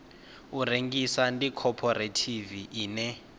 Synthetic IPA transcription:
ureŋɡisandikʰɔpʰɔɾetʰiviʔiːnɛ

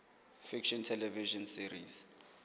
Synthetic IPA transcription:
fikʃɔntʰɛlɛviʃɔnsiɾḭs

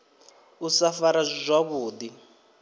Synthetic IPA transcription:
usafaɾazʷizʷaβuːdi

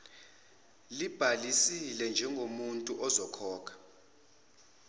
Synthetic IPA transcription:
lib̥ʱalisilɛnd͡ʒʱɛŋɡʱomuntʼuʔɔzɔkʰɔːkʰḁ

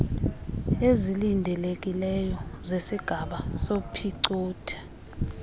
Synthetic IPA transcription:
ezilindʱɛlek̬ʼilɛjɔzesiɡ̥ʱaɓasopʰiǀuːtʰɛ̥

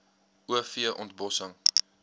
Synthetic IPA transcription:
uəfiəʔɔntbɔsəŋ

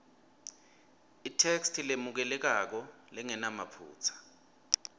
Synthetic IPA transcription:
itʰekstʰilemuk̬ɛlɛk̬ak̬ɔ | lɛŋɛnamapʰṵːt͡sʰḁ

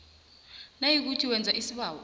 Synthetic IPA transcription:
najik̬utʰiwɛnd͡zʱaʔisiɓaːwɔ

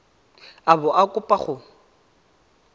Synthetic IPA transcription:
abʊʔakʼʊpʼaχʊ

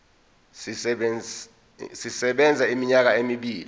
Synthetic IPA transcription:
sisɛɓɛnd͡zʱaimiɲak̬aemiɓiːli

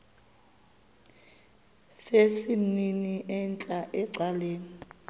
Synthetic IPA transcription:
sesininiʔɛnt͡ɬʼaʔɛǀaleːni

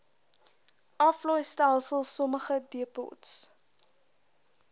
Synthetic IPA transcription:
ʔɐflɔjstælˠsəlˠsɔməχədiəpɔ̰ts

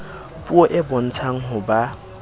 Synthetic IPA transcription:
pʼuɔʔɪbɔn̩t͡sʰaŋ̩ɦʊba

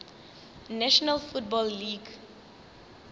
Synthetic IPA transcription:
naʃɔnalfutbɔlːiɡ

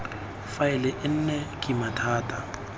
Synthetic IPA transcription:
faɪlɪʔɪn̩nɛkʼɪmatʰaːtʼa

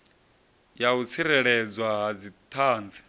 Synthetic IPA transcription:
jaut͡sʰiɾɛɺɛd͡zwaɦad͡zit̪ʰaːnd͡zi̥

